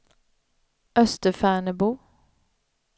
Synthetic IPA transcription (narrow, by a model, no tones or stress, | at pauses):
ʔœst̪əfæːɳəbuː